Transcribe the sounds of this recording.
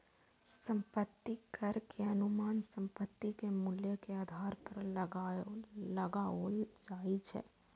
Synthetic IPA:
sə̃mpət̪ːikʰəɾkʰeɐnʊmaːnsə̃mpət̪ːikemuljəkeaːd̪ʱaːɾpəɾləɡaləɡaod͡ʒaːit͡ʃʰɛ̰ː

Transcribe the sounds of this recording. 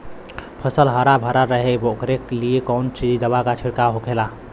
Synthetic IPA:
pʰəsəlɦəɾabʱəɾaɾəɦebokɾekliekɔnt͡ʃid͡ʒd̪əβakat͡ʃʰiɽkaɦokʰela

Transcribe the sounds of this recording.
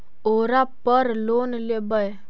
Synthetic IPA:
oːɾapəɾloːnlebəj

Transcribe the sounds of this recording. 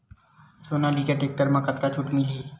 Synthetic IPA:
soːnalikeʈek̚ʈəɾmãkət̪kat͡ʃʰuʈmɪliː

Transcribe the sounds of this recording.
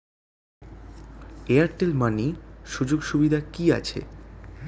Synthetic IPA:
eaɾʈelmaniʃud͡ʑoɡʃubid̪ʱakia̰t͡ɕʰḛ

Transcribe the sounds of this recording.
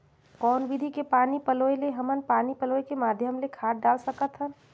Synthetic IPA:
kɔːnʋid̪ʱikepaːnipəloːeleɦɐmənpaːnipəloːekemaːd̪ʱjəmlekʰaːʈ̚ɖaːlsəkət̪ɦən

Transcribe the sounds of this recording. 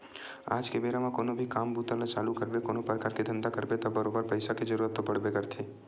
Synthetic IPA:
a̰ːd͡ʒkebeːɾamãkoːnobʱikaːmbuːt̪alat͡ʃaːlukɐɾbekoːnopɾəkaːɾked̪ʱɐ̃nd̪akɐɾbet̪ɐbɐɾoːbəɾpɐɪsakid͡ʒɐɾuːɾət̪ːopɐɽ̤bekɐɾt̪ʰeː

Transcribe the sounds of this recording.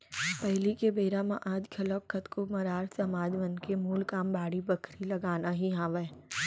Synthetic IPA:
pɛɦlikebeːɾamãʔaːd͡ʒkʰɐləkkːət̪komɐɾaːɾsɐmaːd͡ʒʋɐnkemuːlkaːmbaːɽibɐkʰɾilɐɡaːnaɦiɦaːʋɛː

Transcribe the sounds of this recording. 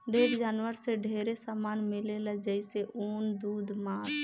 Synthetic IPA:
ɖeːɾd͡ʒaːnwəɾseɖʱeːɾesamaːnmɪlelad͡ʒəɪseʔoːnd̪uːd̪maːɾ

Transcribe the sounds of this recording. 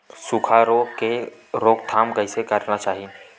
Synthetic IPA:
sʊkʰaɾoːkeɾoːk̚t̪ʰaːmkaɪsekɐɾnat͡ʃaːɦi

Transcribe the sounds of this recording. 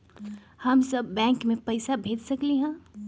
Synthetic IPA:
hɐmsɐbːɛ̃ːŋkmẽpɐɪsabʱeːd͡ʒsɐkliɦɛ̃ː

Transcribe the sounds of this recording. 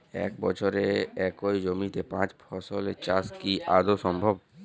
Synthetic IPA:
ɛ̰kbɔt͡ʃʰoɾeɛkoid͡ʒomit̪epãt͡ʃpʰɔsolḛt͡ʃaskiʔad̪osɔmbʱɔb

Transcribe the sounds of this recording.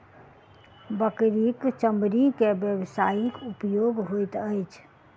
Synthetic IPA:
bəkɾikt͡ʃə̃mbɾikebjəʋsaːikʊpjoːɡɦoit̪əjt͡ʃʰ

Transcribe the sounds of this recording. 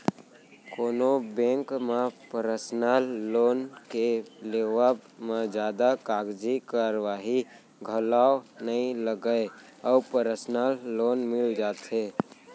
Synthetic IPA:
koːnobẽːŋkmepəɾəsnalːoːnkeleːʋabmed͡ʒjaːd̪akaːɡd͡ʒikaɾwaːɦi | ɡʱəlaːonəĩləɡəe | ɔːpəɾəsnalːoːnmɪld͡ʒaːt̪ɦe

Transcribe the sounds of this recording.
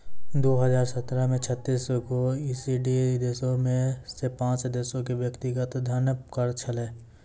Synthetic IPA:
d̪oːɦəzaːɾsət̪ɾəmẽt͡ʃʰət̪ːiːskoiːsiɖid̪eːsõmẽsepãːt͡ʃd̪eːsõkeʋjəkt̪ɪɡət̪d̪ʱənkəɾt͡ʃʰəleː

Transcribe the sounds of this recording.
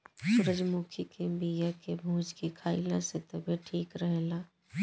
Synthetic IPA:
sʊɾəd͡ʒmuːkʰikebijakebʱũːd͡ʒkikʰaːilãset̪əbʱiʈʰiːkɾəɦlaː

